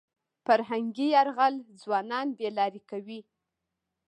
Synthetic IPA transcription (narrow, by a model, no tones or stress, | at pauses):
faɾɦaŋɡiaɾɣald͡zwɑnɑnbelɑɾikawi